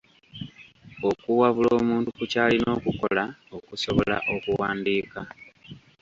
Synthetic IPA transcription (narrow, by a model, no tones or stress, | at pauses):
o̞kuwaβuloːmuːntukucaːlino̞ːkuko̞̰laokuso̞βo̞la̰ʔo̞kuwaːndiːka